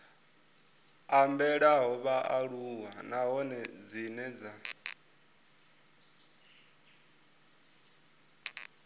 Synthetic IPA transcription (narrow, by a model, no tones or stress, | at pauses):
ambɛɺaɦɔβaʔaɺuwanaɦɔnɛd͡zinɛd͡za